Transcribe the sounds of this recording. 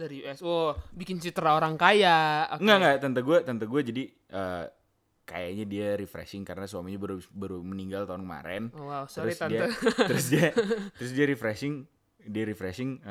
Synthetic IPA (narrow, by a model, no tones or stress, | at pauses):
daɾiuɛsɔbikɪnsit̪ɾaoɾaŋkajaŋɡaŋɡaʔt̪ant̪aɡuat̪ənt̪aɡuad͡ʒadi | ʔə̰ | ka̰ja̰ɲadiaɾifɾɛ̰sɪŋkaɾənaswamiɲabaɾubaɾuməniŋɡalt̪aʊnkma̰ɾɛ̰nwawstəɾʊsdiat̪ɾʊs̬diat̪əɾʊsdiaɾifɾɛsɪŋ | diaɾifɾɛsɪŋ